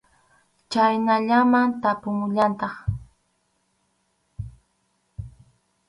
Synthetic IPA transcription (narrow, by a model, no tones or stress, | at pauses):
t͡ʃajnaʎamant̪apʊŋʎant̪ɑχ